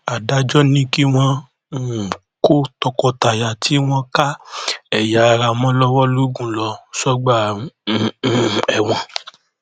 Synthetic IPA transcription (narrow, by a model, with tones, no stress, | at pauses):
a˨da˨˦d͡ʒɔ˦nĩ˦ki˦w̃ɔ̃˧˦˨ | ko˦tɔ˧kɔ˧ta˨ja˨tʰi˨˦w̃ɔ̃˧ka˦ɛ˦˨ja˨˦˧ɾa˧mɔ̃˦lɔ˦wɔ˦lu˦ɡũ˦˨lɔ˧sɔ˦ɡ͡ba˦˨ | ɛ˨w̃ɔ̃˧